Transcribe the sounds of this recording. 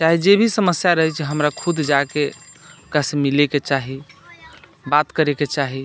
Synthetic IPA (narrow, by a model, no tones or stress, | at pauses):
t͡ʃaɦid͡ʒebʱisəməsjaɾəɦɛt͡ʃʰɦəmɾakʰud̪ʱd͡ʒakekasemileket͡ʃaɦi | bat̪kəɾeket͡ʃaɦi